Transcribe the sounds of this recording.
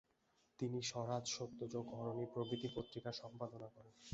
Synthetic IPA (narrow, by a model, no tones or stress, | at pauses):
t̪iniʃɔɾad͡ʑʃot̪ːod͡ʑoɡʱɔɾonipɾoɡɾit̪ipot̪ːɾikaʃɔmpad̪onakɔɾen